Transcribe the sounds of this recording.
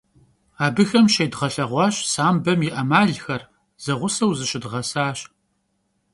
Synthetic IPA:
aːbɨxɐmʃejdʁɐɬɐʁʷɑːɕsaːmbɐmjɪʔɐmaːɮxɐr | z̥ɐʁʷʊsɐwzɨɕɪdʁɐsaːɕ

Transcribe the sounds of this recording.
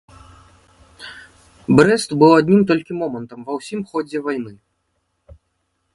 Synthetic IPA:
bɾɛst̪bɨwad̪ʲnʲimt̪ɔlʲkʲimɔmɐnt̪ɐmvɐwsʲimxɔd͡zʲɛvajnɨ

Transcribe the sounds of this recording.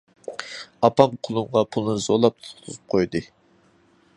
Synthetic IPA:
ɑpɑmqʰʊlˠumʁɑpʰulˠɨnɨz̥olˠɑp̚t̪ʰʊ̥χt̪ʰuzɨp̚qʰojd̪ɨ

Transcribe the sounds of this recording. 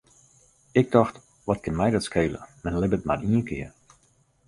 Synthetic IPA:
ɪk̚dɔxt | ʋɔt̚kɪnmɛjdɔtskʰeːlə̰mɛnlɪbətmariəkʰɪ̰ə

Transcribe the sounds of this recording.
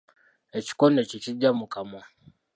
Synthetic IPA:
et͡ʃi̥konet͡ʃit͡ʃiɟamukamo

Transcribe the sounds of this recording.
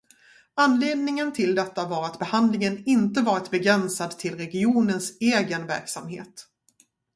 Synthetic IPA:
anːleːd̪nɪŋənt̪ʰɪld̪ɛt̪ːavɑːɾat̪bɛhand̪lɪŋənɪnt̪əvɑːɾɪt̪bɛɡɾɛnsad̪t̪ʰɪlɾɛɡɪuːnənseːɡənvæ̰ɾksamhḛːt̪

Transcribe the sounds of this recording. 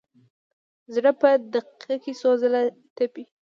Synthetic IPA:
zɽəpəd̪aqikisozəla | t̪api

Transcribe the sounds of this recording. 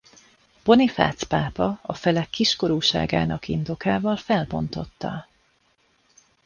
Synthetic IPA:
b̥o̞nifa̰ːt̪spaːpɒɒfɛlɛkːiʃko̞ɾuːʃa̰ːɡa̰ːnɒkind̪o̞kaːvɒlfɛlbo̞nt̪o̞t̪ːɒ

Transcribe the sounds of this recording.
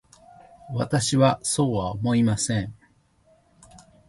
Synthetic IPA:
βat̪aɕiβaso̞ːβaomo̞imasẽ̞ɴ

